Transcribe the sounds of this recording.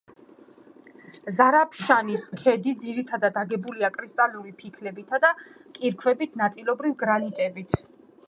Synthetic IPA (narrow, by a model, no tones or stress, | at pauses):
zaɾapʰʃaniskʰɛd̪id̪ziɾit̪ʰad̪ad̪aɡɛbuliakʼɾist̪ʼaluɾipʰikʰlɛbit̪ʰad̪akʼiɾkʰwɛbit̪ʰnat̪sʼilˠɔbɾivɡɾanit̪ʼɛbit̪ʰ